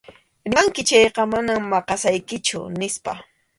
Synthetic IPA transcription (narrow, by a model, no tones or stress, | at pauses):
ɾɪŋkɪt͡ʃɑjqɑmanammɑqɑsajkɪt͡ʃʊ̰nɪspa̰